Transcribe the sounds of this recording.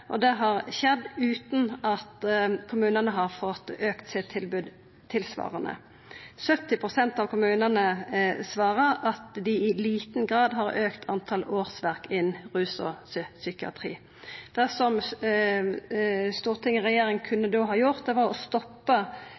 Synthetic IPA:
ʔɔd̪ɛɦɑʁɕɛd̪ʉːt̪n̩ɑt̪kʰʊmʉːnənəɦɑʁfɔt̪ːøːkt̪sɪt̪ʰːɪlbʉd̪ | t̪ʰːɪlsʋɑ̰ːʁənə̰ | sœt̪ːɪpʰʁʊsɛnt̪ɑʋkʰʊmʉːnənəsʋɑːʁəʁɑt̪d̪ɪɪliːt̪n̩ɡʁɑːd̪ɦɑʁøːkt̪ʰɑnt̪ʰɑloːʁsʋæʁkɪnʁʉːsɔ̰ssʏkɪɑ̰t̪ʰʁḭː | d̪̥æsɔm | st̪uːʁt̪ʰɪŋːəʁɛjeːɾɪŋkʰʉnːəd̪oːɦɑːjʊʁt̪̚d̪ɛʋɑʁɔst̪ɔpːə

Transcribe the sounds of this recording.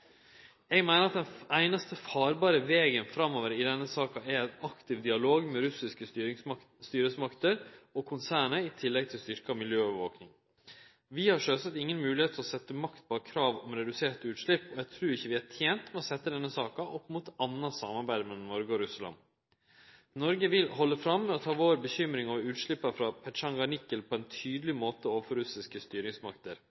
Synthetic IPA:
ɛɡmæɪnəɾɑt̪d̪ɛnæɪnɑst̪əfɑːɾbɑːɾəʋeːɡənfɾɑmːoːʋəɾɪd̪ɛnːəsɑːkɑæɾɛnɑkt̪ɪʋd̪ɪɑloːɡmɛɾʉsɪskə | st̪yːɾəsmɑkt̪əɾɔkʰʊnsæːɳəɪt̪ʰɪlːɛɡ̚t̪ʰɪlst̪ʏɾkɑmɪljøːɔʋəʋo̰ːknɪŋ | ʋɪhɑʂøːsət̪ɪŋːənmʉːlɪheːt̪ʰəlɔsɛt̪ːəmɑkt̪̚pʰɔkʰɾɑːʋɔmɾɛd̪ʉseːʈʉːt̪ʂɭɪpːɔjæɪt̪ʰɾʉːɾɪçːəʋɪæːʈʰjeːnt̪mɛɔsɛt̪ːəd̪ɛnːəsɑːkɑʔɔpːmuːt̪ɑnːɑsɑmɑɾbæɪd̪mɛlɔmnɔɾɡəɔɾʉslɑ̰n | nɔɾɡəʋɪlɦɔlːəfɾɑmːɛɔt̪ʰɑːʋoːɾbəçʏmɾɪŋɔʋʉːt̪ʂɭɪpːɑfɾɑpʰɛʂɑŋɡɑnɪkːəlpʰɔɛnt̪ʰyːd̪əlɪmoːt̪əoːʋəfɔɾʉsɪskəst̪yːɾɪŋsmɑkt̪əɾ

